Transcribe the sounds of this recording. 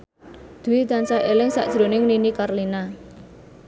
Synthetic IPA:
d̪̥ṳwit̪ansaʔelɪŋsa̰ʔd̥ʒ̥ɾo̤nɪŋninikarlina

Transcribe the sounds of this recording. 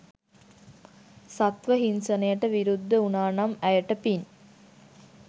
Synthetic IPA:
sat̪ʋəɦinsənəjəʈəʋiɾud̪ːəunaːnamæjəʈəpin

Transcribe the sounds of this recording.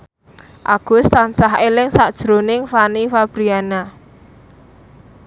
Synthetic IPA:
ʔa̰ɡ̥ʊ̤st̪ansaɦelɪŋsaʔd̥ʒ̥ɾo̤nɪŋfanifab̥ɾiana

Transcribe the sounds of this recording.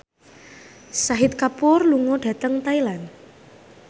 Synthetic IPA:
saɦɪt̪̚kapʊrluŋoɖ̥ä̤t̪əŋt̪ailan

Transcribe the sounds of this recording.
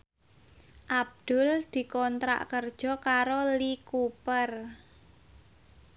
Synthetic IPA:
ʔab̚d̪̥ʊ̤ld̪̥i̤kɔnt̪ɾa̰ʔkərd̥ʒ̥ɔ̤kaɾolikupər

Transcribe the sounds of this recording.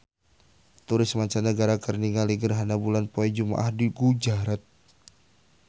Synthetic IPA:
t̪uɾɪsmaɲt͡ʃanəɡaɾakərniŋaliɡərɦanabulanpoɛd͡ʒuma̰ʔahdiɡud͡ʒaɾat̪̚

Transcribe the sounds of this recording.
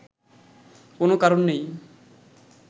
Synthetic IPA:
konokaɾonːej

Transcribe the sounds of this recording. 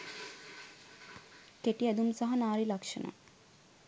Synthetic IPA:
keʈiɛd̪umsaɦɐnaːɾilakʃə̰na̰

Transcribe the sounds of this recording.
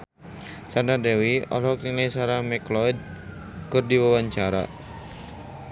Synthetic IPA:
sandadɛwiɔ̰lɔkiŋlasaɾamɛklɔid̪̚ | kɨrdiwawaɲt͡ʃaɾa̰

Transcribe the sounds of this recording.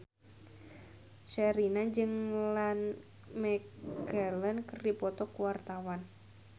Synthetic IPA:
ʃɛɾinad͡ʒɨŋlan | mɛɡalənkərdipɔt̪ɔkuwart̪awan

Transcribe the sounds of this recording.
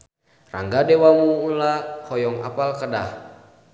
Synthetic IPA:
ra̰ŋɡadɛwamuːlahɔjɔŋa̰palkədah

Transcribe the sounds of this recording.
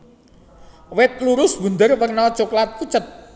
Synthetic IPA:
wɪt̪̚luɾʊsbṳnd̪ərwərnɔt͡ʃuklat̪̚kut͡ʃət̪̚

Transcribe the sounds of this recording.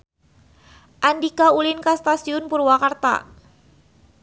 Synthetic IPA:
ʔandikaulɪnkast̪asiʊnpurwakart̪a̰

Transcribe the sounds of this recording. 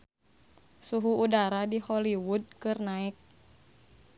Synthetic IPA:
suɦuːdaɾadihɔliwud̚kɨrnaɪk̚

